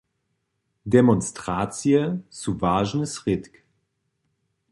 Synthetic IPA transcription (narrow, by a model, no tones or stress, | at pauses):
dɛmɔnstʁ̥aːt͡siəsuvaːʒn̩sʁɪtk